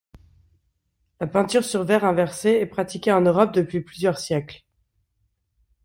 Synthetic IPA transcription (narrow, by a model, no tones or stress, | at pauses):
lapɛ̃t̪yʁsyʁvɛʁɛ̃vɛʁseɛpχat̪ikʲeɑ̃nøʁɔp̚d̪əpɥiplyzjœʁsjɛkl